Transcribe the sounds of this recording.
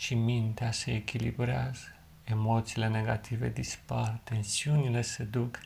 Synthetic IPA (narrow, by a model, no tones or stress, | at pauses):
ʃimint̪easeekʲilḭbɾeazə | emo̞t̪siːle̞ne̞ɡat̪ʰived̪ispart̪e̞nsiunile̞sed̪uk